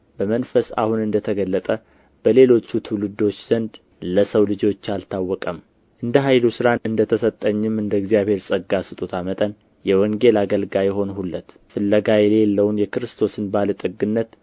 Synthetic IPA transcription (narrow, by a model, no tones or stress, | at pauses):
b̥əmənfəsa̰hunɨnd̪ət̪ʰəɡəlːət̪ʼə | b̥əle̞lo̞t͡ʃːut̪ʰulɨd̪o̞t͡ʃːz̥ənd̪ | ləsəwlɨd͡ʒo̞t͡ʃːalt̪ʰawːɔkʼəm | ʔɨnd̪əɦajlusɨɾanɨnd̪ət̪ʰəsət̪ʼːəɲːɪmɨnd̪əɡzijaβhe̞ɾsʼəɡːasɨt̪ʼut̪ʰamət̪ʼən | jɛwɔŋɡe̞laɡəlɡajɛɦo̞nhulːət̪ | fɨlːəɡajɛle̞lːəwnjɛkɨɾɨst̪ʰo̞sɨnbalət̪ʼɨɡɨnːət̪